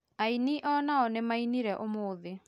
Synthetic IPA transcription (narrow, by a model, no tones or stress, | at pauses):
ainiʔɔnaɔnemainiɾɛʔomoːðe